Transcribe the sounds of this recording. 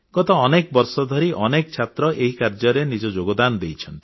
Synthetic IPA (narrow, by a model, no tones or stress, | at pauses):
ɡ̥ɔt̪ɔːnekbɔɾsɔd̪ʱɔɾiʔɔnekɔt͡ʃʰat̪ɾɔʔeɦikaɾd͡ʒɔɾenid͡ʒɔd͡ʒoɡɔd̪and̪ejt͡ʃʰɔnt̪ii̥